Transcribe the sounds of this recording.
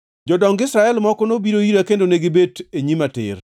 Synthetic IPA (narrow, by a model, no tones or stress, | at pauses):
d͡ʒɔdɔŋɡɪsɾaɛlmɔkɔnobiɾojiɾakendoneɡɪbeteɲimatɪ̰r